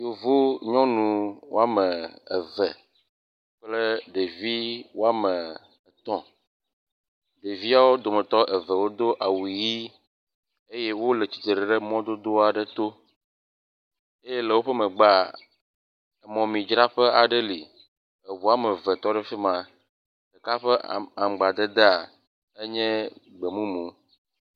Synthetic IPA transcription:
jo˨vo˦ɲɔ̃˦nũ˨wo̰˦a˦mɛ̃˨ɛ˨vɛ˨ | ɸle˦ɖe˨vi˦wo˦a˦mɛ̃˨ | t̪ɔ̃˦ | ɖe˨vi˦a˨wo˦d̪o˨mɛ̃˨t̪ɔ˦ʔɛ˨vɛ˨wo˦d̪o˦ʔa˨wu˨ji˦ | e˦je˦wo˦le˨t͡ɕi̥˨t̪e˨ɾɛ˨ɖə˦mɔ̃˦d̪o˦d̪o˦a˨ɖə˨t̪o˦ | e˦je˦lɛ˨wo˦ɸɛ˦mɛ̃˨ɡ͡ba˦ | e˨mɔ̃˨mĩ˨d͡ʒɾa˦ɸe˦ʔa˨ɖe˦li˨ | e˨βu˨a˦mɛ˨vɛ˨t̪ɔ˦ɖɛ˦fi˦mã˨ | ɖe˨ka˦ɸɛ˦˨a˨m˨ɡ͡ba˨d̪e˦d̪e˦a˨ | e˦ɲɛ̃˦ɡ͡be˨mũ˦mũ˨˦

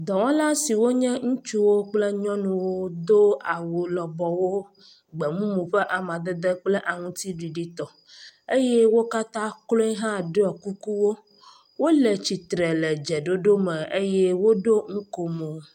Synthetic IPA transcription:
d̪ɔ˨wɔ̃˦la˦si˨wo˦ɲɛ̃˦ŋũ˦t͡ʃu˦wo˦k͡ple˦ɲɔ̃˦nũ˨wo˦d̪o˦a˨wo˨lɔ˨bɔ˨wo˦ | ɡ͡bɛ˨mũ˦mũ˨ɸɛ˦ʔa˨mã˨d̪e˦d̪e˦k͡ple˦ʔa˨ŋũ˦t̪i˦ɖi˨ɖi˦t̪ɔ˨ | e˦jɛ˦wo˦ka˦t̪ã˦klo˦i˦ɦã˦ɖe˦ɔ˨ku˦ku˦wo˦ | wo˦le˨t͡ɕi˨t̪ɾe˨lɛ˨d͡ʒɛ˨ɖo˦ɖo˦mɛ̃˨e˦je˦wo˦ɖo˦ŋ̩˦ko˨mo˨

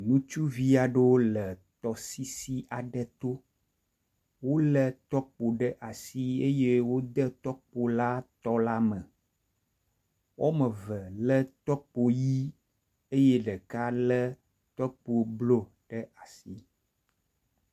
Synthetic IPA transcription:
nũ˦t͡ʃu˦vi˦a˨ɖo˦lə˨t̪ɔ˨si˦si˦ʔa˨ɖə˦t̪o˦ | wo˦lə˨t̪ɔ˦k͡po˨ɖə˦ʔa˨si˦e˦je˦wo˦d̪ə˦t̪ɔ˦k͡po˨la˦t̪ɔ˦la˦mə̃˨ | wʔo˦mə̃˨və˨lə˦t̪ɔ˦k͡po˨ji˦ | e˦je˦ɖə˨ka˦lə˦ | t̪ɔ˦k͡po˨blo˦ | ɖ̥ə˦ʔa˨si˦

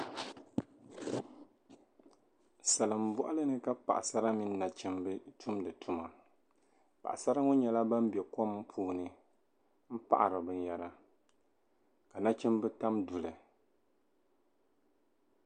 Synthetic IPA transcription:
sa˨lɨ˨m̩˨bʊ˦ʔa˦lɨ˦nɨ˦ka˦pa̰˨ʔa˨sa˦ɾa˦mi˦nː˦a˨t͡ʃɛ˦mbɨ˦tʰu˦mdɨ˨tʰu˦ma˨ | pa̰˨ʔa˨sa˦ɾa˦ŋɔ˦ɲɛ˨la˦ba˦m˦bɛ˨ko˦mpʰuː˦nɨ˦ | m̩˦pa̰˦ʔa̰˨ɾɨ˨bɨ˨˦ja˨ɾa˦ | ka˨na˦t͡ʃɛ˦mbɨ˦ta˦mdu˨lɨ˨

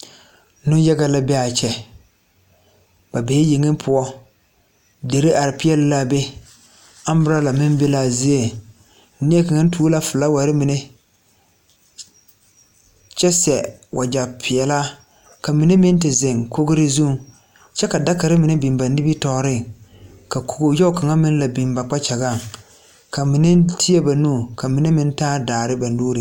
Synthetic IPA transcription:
nʊ̃˦n˦ja˦ɡa˦la˦bɛ˦a˨t͡ʃɛ˨ | ba˨be˨˦e˦ji˨ŋɪ˦m˦pʰʊ˨˦ɔ˦ | de˨ɾi˦ʔa˨ɾɪ˨pɪ˦ɛ˦lla˦be˦ | a˦m˦bɪ˦ɾa˦la˨mɪ̃˦m˦be˦la˦˨zi˦e˦˨˦ | ni˦e˦ka˨ŋa˦n˦tʰuː˦la˦fɪ˨la˦wa˨ɾɪ˦mɪ˨ne˦ | t͡ʃɛ˦sɛ˨wʔa˨d͡ʒa˨pʰɪ˨ɛ˨la˦ | ka˨mɪ˨nɪ˦mɪ˦n˦tɪ˨zɪ˨ŋko˦ɡɪ˦ɾɪ˦zu˦˨˦ | t͡ʃɛ˦ka˨da˦ka˨ɾɪ˦mɪ˨nɪ˦bi˨mba˨nɪ˦bi˦tɔ˨˦ɾɪ˦ | ka˨ku˨ɡo˨jɛ˦ʊ˦ka˨ŋa˦mɪ˦n˦la˨bi˨mba˨k͡pa˦t͡ʃa˨ɣa˦˨ŋ | ka˨mɪ˨nɪ˦tʰi˦e˦ba˨nuː˦˨ka˨mɪ˨nɪ˦mɪ˦n˦taː˦daː˨ɾɪ˦ba˨n˦duː˦ɾɪ˨

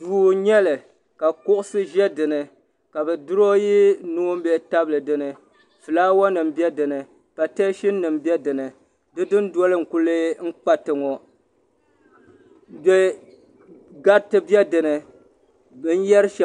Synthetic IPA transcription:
duː˨ɲɛ˦lɨ˨ | ka˨kʊ˦ʔʊ˦sɨ˦ʒɛ˦dɨ˨nɨ˨ | ka˨bɛ˨dʊ˦ɾo˦ji˦nu˦m̩˦bɛ˦˨˦ta˦blɨ˨dɨ˨nɨ˨ | fɨ˨laː˦wɔ˦nɨ˨m˦bjɛ˦dɨ˨nɨ˨ | pa˨te˦ʃi˦nː˦ɨ˨m˦bɛ˦dɨ˨nɨ˨ | dɨ˦dɨ˦n˦dɔ˦lɨ˦ŋ̩˨ku˦lɨ˦ŋ̩˦k͡pa˦tɨ˨ŋɔ˨ | bɛ˦ | ɡa˦ɾtɨ˦bjɛ˦dɨ˨nɨ˨ | bɨ˦n̩˦jɛ˦ɾʃɛ˨

